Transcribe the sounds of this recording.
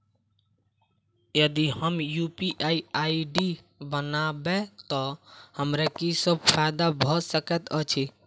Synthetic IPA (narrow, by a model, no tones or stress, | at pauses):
jəd̪ihəmjupiʔaiaiɖi | bənabet̪ɔhəmɾekisəb̚pʰaɪd̪abʱɔsəkɛt̪ət͡ʃʰi